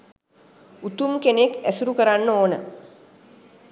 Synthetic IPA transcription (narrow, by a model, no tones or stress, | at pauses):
ut̪umkenekæsuɾukəɾanːəoːnə